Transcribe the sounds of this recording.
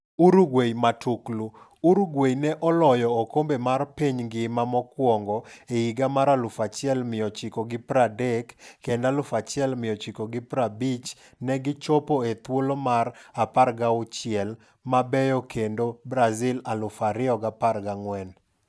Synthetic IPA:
uɾuɡwejmatʰuklu | uɾuɡwejnɛʔɔlɔjɔːkombemarpiɲɡɪmamɔkwɔŋɡɔeiɡamaɾalʊfat͡ʃɪɛlmɪjɔt͡ʃɪkoɡɪpɾadɛkːendalʊfat͡ʃɪɛlmɪjɔt͡ʃɪkoɡɪpɾabit͡ʃ | nɛɡɪt͡ʃopoet̪wolomaraparɡaʊt͡ʃɪɛl | mabɛjɔkʰendobɾazɪlalʊfaɾɪɔɡaparɡaŋwɛn

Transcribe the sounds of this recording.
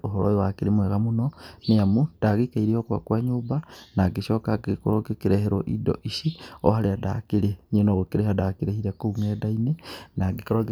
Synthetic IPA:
oɦoɾojiwakiɾimweɣamunoniamud̥aɣikaiɾiokwa̰kwaːɲuːbanaɡiʃokaɡikuɾoɡekiɾeheɾoʔḭdo̰ʔiʃio̰haɾeada̰kiɾeɲinoɣokiɾehadakiɾehiɾakouŋedainenaɡikoɾoɡ

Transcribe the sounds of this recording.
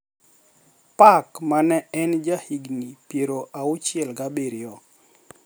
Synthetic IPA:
pakmanɛɛnd͡ʒahiɡnipjeɾoʔaʊt͡ʃɪɛlɡabeɾɪɔ

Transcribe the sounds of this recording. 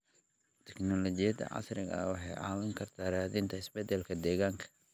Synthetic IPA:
t̪ʰɛ̥knɔlɔt͡ʃɪjɐd̪ɐ̰ʕɑ̰srɪɣɐ̰wɑħɑjʕɑ̰ːwɪŋkʰɐrt̪ʰaːɾaːðɪnt̪ʰɐɪsbɛd̪ɛlkʰɐd̪ɛːɣaːŋkʰɐ̥

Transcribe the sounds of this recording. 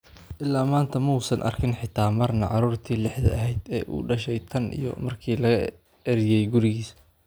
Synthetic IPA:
ʔɪlːaːmaːnt̪ʰɐmuːsɐnʔɐ̰rkʰɪnħɪt̪ʰaːmɐrnɐʕɑɾuːrt̪ʰiːlɪħðɐ̰ɐɦɛjd̪ɛːʔṵːɖɐʃɛjt̪ʰɐnʔḭjɞ̰mɐrkʰiːlɐɣɐ | ɛɾɪjɛjɡʊɾɪɣiːs

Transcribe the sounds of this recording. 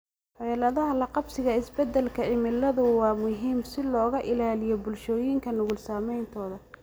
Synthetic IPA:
ħɛːlɐðɐɦɐlɐqɑbsɪɣɐɪsbɛd̪ːɛlkʰɐʕɪmɪlːɐðʊwɑːmʊɦiːmsɪlɔːɣɐʔɪlaːlɪjɔbʊlʃɔːjiŋkʰɐnʊɣʊlsaːmɛjnt̪ʰɔːðɐ

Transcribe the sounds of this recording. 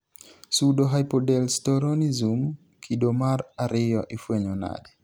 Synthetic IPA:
sudoɦajpɔdɛlstɔɾɔnizum | kʰidomaɾaɾɪjɔʔifweɲɔna̰dɛ

